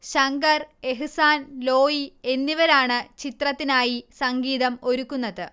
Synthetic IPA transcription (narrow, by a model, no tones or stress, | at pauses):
ɕɐŋɡɐre̞ɦɨsaːnlo̞ːjie̞nːiʋɐɾaːɳɨt͡ɕit̪rɐt̪ːinaːjisɐŋɡiːðɐmo̞ɾukːunːɐðɨ